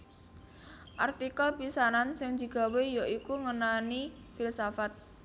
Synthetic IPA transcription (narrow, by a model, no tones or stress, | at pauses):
ʔart̪ikəlpisanansɪŋd̪̥i̤ɡ̥a̤wejoʔikuŋənani | filsafat̪̚